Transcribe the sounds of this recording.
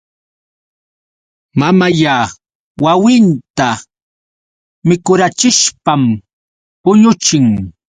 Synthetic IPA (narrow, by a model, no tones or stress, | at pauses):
mamajaː | wawɪnt̪a | mɪkʊɾat͡ʃɪʃpam | pʊɲʊt͡ʃɪŋ